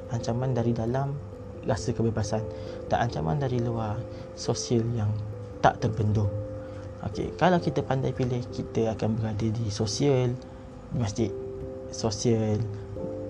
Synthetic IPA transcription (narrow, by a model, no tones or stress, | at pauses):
ʔaɲt͡ʃamãndaɾidalam | rasəkəbebasan | t̪a̰ʔaɲt͡ʃama̰ndaɾiluar | sosiəljaŋ | t̪a̰ʔt̪ərbəndʊŋ | o̰kḛkalawkit̪əpandajpilɪhkit̪əakanbəɾadədisosiəl | imast̪ɪʔ | sosiəl